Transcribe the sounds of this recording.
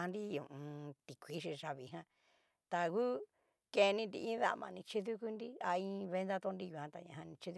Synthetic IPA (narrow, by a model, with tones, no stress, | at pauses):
ã˧nɾi˦jũ˨ʔũ˧t̪i˨kʷi˦ʃ̬i˧ʐa˧βi˨ɦã˦ | t̪a˧ɣu˦ | ke˧nĩ˧nd̪ḭ˧ʔĩ˦ða̰˦˨mã˧nĩ˧t͡ʃi˦ðu˦ku˦nd̪i˦a˧ĩ˦βe˦nd̪a˦t̪o˦ndi˦˧ju˧hã˧t̪a˧ɲã̰˧ɦã˧nĩ˧t͡ʃi˦ðu˦